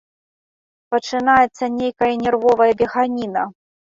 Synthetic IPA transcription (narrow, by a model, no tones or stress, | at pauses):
pɐt͡ʂɨnajɛt̪sːɐnʲejkɐjɐnʲɛrvɔvɐjɐbʲɛɣanʲinɐ